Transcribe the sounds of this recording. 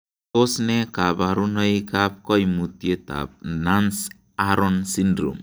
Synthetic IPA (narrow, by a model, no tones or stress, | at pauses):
tosnɛkabaɾunɔjkap̚kɔjmut̪jet̪a̰b̚nans | aɾɔnsindɾṵm